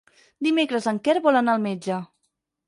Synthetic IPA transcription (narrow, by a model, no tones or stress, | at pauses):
d̪imekɾəzəŋkɛɾβɔlənalˠmed͡ʒə